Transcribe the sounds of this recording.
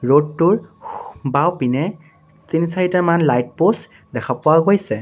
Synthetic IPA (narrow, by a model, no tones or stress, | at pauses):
ɹodtʊɹ | bawpinɛ | tinisaitaɹmanlajt̚pos | dɛkʰapɔwaɡojsɛ